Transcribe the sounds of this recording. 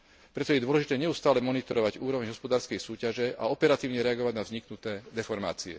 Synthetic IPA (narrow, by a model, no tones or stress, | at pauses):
pɾɛt̪ɔjɛd̪ʊɔlɛʒit̪ɛːɲɛust̪aːlɛmɔnit̪ɔɾɔʋaɟuːɾɔʋɛɲɦɔspɔd̪aːɾskɛjsuːcaʒɛaɔpɛɾat̪iːʊɲɛɾɛaɡɔʋaɟnavzɲiknut̪ɛːd̪ɛfɔɾma̰ːt͡siɛ̰